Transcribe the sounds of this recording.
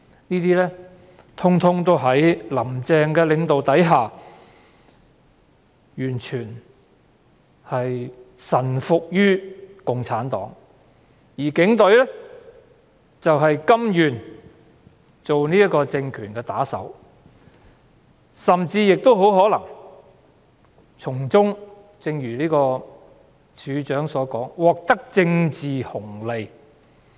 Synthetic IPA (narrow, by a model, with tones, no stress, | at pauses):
niː˥t̪iː˥lɛː˥ | t̪ʰʊ˥ŋt̪ʰʊ˥ŋt̪o˥wɦɐ˨˥jlɐ˨˩mt͡sɛː˨˧ŋkɛː˧lɪ˨˧ŋt̪o˨wt̪ɐ˨˥jɦaː˨ | jyː˨˩nt͡ʃʰyː˨˩n | hɐ˨jsɐ˨˩nfʊ˨k̚jyː˥kʊ˨ŋt͡sʰaː˨˥nt̪ɔ̰ː˨˥ŋ | jiː˨˩kɪ˨˥ŋt̪ɵ˨˥ɥlɛː˥ | t͡sɐ˨wɦɐ˨jkɐ˥mjyː˨˩n | t͡so˨wniː˥jɐ˥kɔː˧t͡sɪ˧ŋkʰyː˨˩nkɛː˧t̪aː˨˥sɐ̰˨˥w | sɐ˨mt͡siː˧jɪ˨k̚t̪o˥wɦo˨˥wɦɔː˨˥lɐ˨˩ŋ | t͡ʃʰʊ˨˩ŋt͡sʊ˥ŋ | t͡sɪ˧ŋjyː˨˩liː˥kɔː˧ | t͡ʃʰyː˨˧t͡ʃœː˨˥ŋsɔː˨˧˥kɔː˨˥ŋwɔː˨k̚t̪ɐ˥k̚t͡sɪ˧ŋt͡siː˨hʊ˨˩ŋle˨j